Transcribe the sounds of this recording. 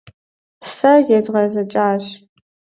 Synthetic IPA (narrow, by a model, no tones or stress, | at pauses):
sɐzezʁɐzɐt͡ʃʼaːɕ